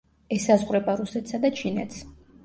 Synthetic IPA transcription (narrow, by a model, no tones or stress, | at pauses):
ɛsazʁɾɛbaɾusɛt̪ʰsad̪at͡ʃʰinɛt̪s